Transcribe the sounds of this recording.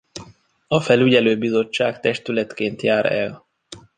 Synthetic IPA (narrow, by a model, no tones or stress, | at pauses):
ɒfɛlyɟɛløːbizo̞t͡ʃːaːkt̪ɛʃt̪ylɛt̪keːnt̪jaːɾɛ̰l